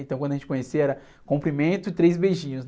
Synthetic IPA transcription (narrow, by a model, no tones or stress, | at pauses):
ẽt̪ɐ̃w̃kɐ̃d̪ɐʒẽt͡ʃɪkõɲesiɐɛɾɐ | kõmpɾimẽnt̪ʊɪt̪ɾejzbeʒĩɲʊsn